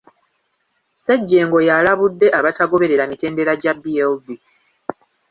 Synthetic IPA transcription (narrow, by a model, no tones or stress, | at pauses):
seɟːe̞ːŋɡo̞jalaβudːe̞ʔaβataɡo̞βe̞ɾe̞ɾamite̞ːnde̞ɾaɟabielbi